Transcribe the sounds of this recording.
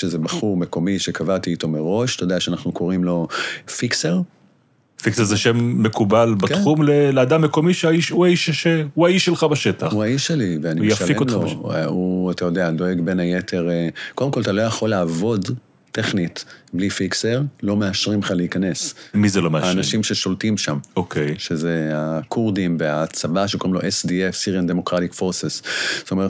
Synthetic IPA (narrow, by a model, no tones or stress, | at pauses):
ʃezebaχuʁmeko̞miʃekʰavat̪iːto̞meʁo̞ʃat̪ajodeaʃeanaχnukʰo̞ʁimlo̞fikseʁ | fikseʁzeʃemːekubalbakχumlelead̪amːekomiʃeaiʃuaiʃʃeuaiʃːelχabaʃet̪auaiʃeliveanijafalikotmlouatajo̞dead̪o̞e̞ɡbe̞najetʰe̞ʁekodemko̞lat̪alo̞jaχo̞laːvo̞d | teχnit̪blifikseʁlo̞meaʃʁimχaleikane̞smizelomhaːnaʃimʃeʃo̞ltimʃamokʰejʃezeakʰuʁdimveat͡sabaʃeko̞ʁimloʔesdiefsiʁiandemo̞kʁatikfo̞ʁsesz̥tome̞ʁt